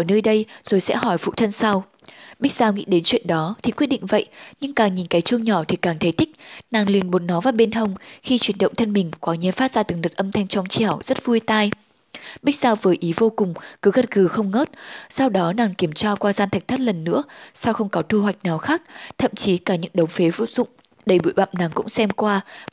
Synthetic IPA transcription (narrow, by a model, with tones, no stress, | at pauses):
nəː˧jɗə˧jz̥o˨˩jsɛ̰˧˥ɦɔ˧˩jfṵ˧˨t̪ʰə˧nsa˧w | ɓi˦˥k̟̚zaː˧wŋḭ˧˥ɗe˨˦nt͡ɕwḭ˧˨ənɗɔ˨˦t̪ʰi˨˩kwi˦˥əɗḭ˧˨ŋ̟və̰˧˨jɲɨ˧ŋkaː˨˩ŋɲi˨˩nka˨˦jt͡ɕu˧əŋɲɔ˧˩t̪ʰi˨˩kaː˨˩ŋt̪ʰə˨˦jt̪ï˦˥k̟̚naː˨˩ŋli˨˩ənɓo˨˩˦n̚nɔ˨˦vaː˨˩ɓe˧nhə˧wŋ͡mxi˧t͡ɕwi˧˩ənɗə̰˧˨ŋ͡mt̪ʰə˧nmï˨˩ŋ̟kwaː˨˦ɲi˧˩˨faː˦˥t̚z̥aː˧t̪ɨ˨˩˦ŋlɨ˨˩t̚ʔə˧mt̪ʰa˧jŋ̟t͡ɕɔ˧wŋ͡mt͡ɕɛ˧˩əwz̥ə˦˥t̚vu˧əjt̪aː˧j | ɓi˦˥k̚zaː˧wvɨː˨˦jʔi˨˦vo˧kʊ˨˩ŋ͡mkɨ˨˦ɣə˨˩t̚ɣɨ˨˩xə˧wŋ͡mŋo˦˥t̚sa˧wɗɔ˨˦naː˨˩ŋki˧˩əmt͡ɕaː˧kwaː˧zaː˧nt̪ʰa˨˩k̟̚t̪ʰt̚lə˨˩nːɨ̰˧˥əsa˧wxə˧wŋ͡mkɔ˨˦t̪ʰu˧hwa˨˩jk̟̚naː˨˩wxaː˦˥k̚t̪ʰə̰˧˨mt͡ɕi˨˦kaː˧˩ɲɨ̰˧˥ŋɗə˨˦wŋ͡mfe˨˦vṵ˧˨zʊ̰˧˨ŋ͡m | ɗə˧˩jɓṵ˧˩˨jɓa̰ː˧˨mnaː˨˩ŋkʊ̰˧˥ŋ͡msɛ˧mkwaː˧